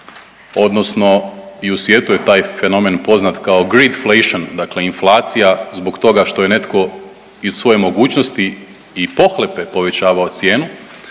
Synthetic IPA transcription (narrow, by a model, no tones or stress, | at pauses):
o̞d̪no̞sno̞iusʋje̞t̪uje̞t̪aːjfe̞no̞menpo̞znat̪kao̞ɡɾid̪fleʃond̪akle̞inflˠaːt̪sijazbokt̪o̞ɡaʃt̪o̞je̞ne̞t̪ko̞ | iz̥sʋo̞je̞mo̞ɡuːt͡ɕnost̪iː | po̞xlepe̞po̞ʋe̞t͡ɕaːʋao̞t̪sje̞ːnu